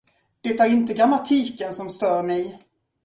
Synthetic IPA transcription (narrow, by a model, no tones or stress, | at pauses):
d̪̥ɛt̪æɾɪnt̪əɡɾamat̪ʰiːkənsɔmst̪œːɾmɛj